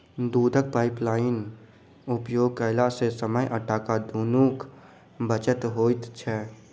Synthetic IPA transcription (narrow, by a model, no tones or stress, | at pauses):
d̪uːd̪ʱək̚paːɪplaːɪn | upjoːɡ̚kəɪlasesəməjʔəʈʰakad̪ʱunuːk | bət͡ʃət̪ɦoːt̪t͡ʃʰɛ